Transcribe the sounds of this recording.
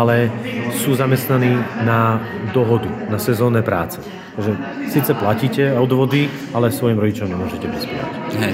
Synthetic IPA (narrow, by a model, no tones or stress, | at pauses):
alɛsuːzamɛst̪naniːnad̪ɔɦɔd̪unasɛzɔːnɛpɾa̰ːt͡sɛ̥ | t̪aɡʒɛsiːt͡sɛplaciːcɛɔd̪ʋɔd̪i | alɛsʋɔjimɾɔɟit͡ʃɔmɲɛmʊɔʒɛcɛpispɪa̰cɦɛ